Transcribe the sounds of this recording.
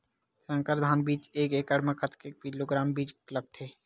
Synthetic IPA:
sə̃ŋkəɾd̪ʱaːnbiːt͡ʃeːkeːkəɽməkət̪ʰkek̚piːloːɡɾaːmbiːt͡ʃlək̚t̪ʰeː

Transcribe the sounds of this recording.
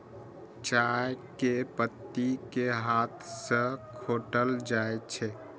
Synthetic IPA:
t͡ʃajkepət̪ːikeɦat̪ʰsə̃kʰoʈəld͡ʒaet͡ʃʰɛ

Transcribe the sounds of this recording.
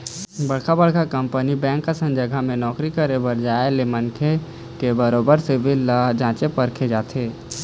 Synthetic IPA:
bəɽ̤kʰabəɽkakəmpənibɛ̃ːŋkːasə̃nd͡ʒəɡʱamẽnɔːkɾikəɾebəɾd͡ʒaːelemənkʰe | kebəɾoːbəɾsebʱilːad͡ʒãːt͡ʃepəɾkʰed͡ʒaːt̪ʰeː

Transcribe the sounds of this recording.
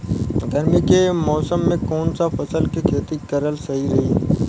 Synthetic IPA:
ɡ̪ʱɐɾmikemɔːsəmːẽkɔːnsafɐsəlkikʰeːt̪ikɐɾəlsɐɦiɾɐɦiː

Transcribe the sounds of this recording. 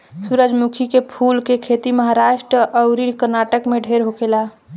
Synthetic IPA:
suɾəd͡ʒmukʰikepʰulkekʰet̪iməɦaɾaʃʈɾəʔəʊɾinkəɾnaʈəkmẽɖʱeɾɦokela

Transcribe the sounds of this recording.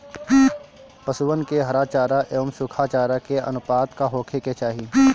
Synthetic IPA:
pɐsʊʋənkeɦɐɾaːt͡ʃaːɾaʔeːmsʊkʰaːt͡ʃaːɾakeɐ̰nʊpaːt̪kaɦoːkʰeket͡ʃaːɦiː

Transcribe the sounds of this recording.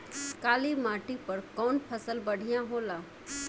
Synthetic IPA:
kaːlimaːʈipəɾkɔːnpʰəsəlbəɽ̤ijãɦoːlaː

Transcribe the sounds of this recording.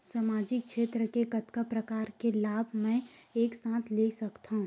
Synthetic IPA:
saːmaːd͡ʒɪk̚kʃeːt̪ɾəkekɐt̪kapɾɐkaːɾkelaːbʱmɛ̃eːksãːt̪ʰleːsɐkt̪aɦũ

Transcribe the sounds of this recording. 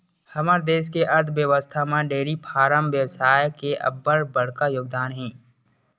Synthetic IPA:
həməɾd̪eːs̬keʔɐɾd̪ʋjəʋəst̪ʰamãɖeːɾipʰaːɾəmʋjəwsaːjkeʔɐ̰bːəɾbəɽ̤kajoːɡ̚d̪aːnɦɛ̃ː

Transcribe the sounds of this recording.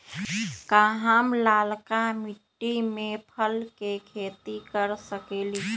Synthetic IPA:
kaɦamlaːlkamiʈːimẽpʰəlkekʰeːt̪ikəɾsəkeːli

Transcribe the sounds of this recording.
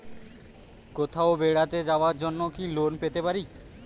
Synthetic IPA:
kot̪ʰaobeɽat̪ed͡ʑaoaɾd͡ʑonːokilonpet̪epaɾi

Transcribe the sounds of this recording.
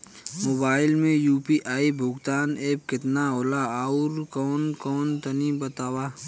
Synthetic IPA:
moːbaːɪlmẽjuːpiʔaːibʱʊɡt̪aːneːp̚kɪt̪naoːlaaʊɾkɔːnkɔːnt̪ɐnibət̪aːwaː

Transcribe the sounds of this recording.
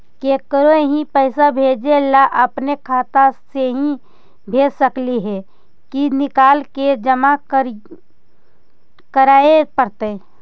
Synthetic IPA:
kekəɾoeɦĩpəɪsabʱeːd͡ʒelaʔəpnekʰaːt̪aseɦĩ | bʱeːd͡ʒsəkliɦɛ | kinɪkaːlked͡ʒəma | kəɾaːepəɾt̪e

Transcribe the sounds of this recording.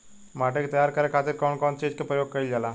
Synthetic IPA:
maʈek̚t̪əjaɾkəɾekʰat̪iːɾkɔwɳkɔnt͡ɕẽd͡ʑkepɾəjoɡ̚kəiːld͡zala

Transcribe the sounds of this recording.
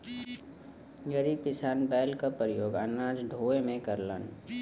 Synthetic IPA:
jəɾipɪsaːnbɛːlkapɾəjoːɡənɾaːd͡ʒɖʱoːemẽkəɾlə̰n

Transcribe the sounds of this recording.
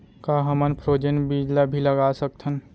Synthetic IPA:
kaɦəmənpʰɾoːd͡ʒənbid͡ʒlabʱiləɡasək̚t̪ʰən

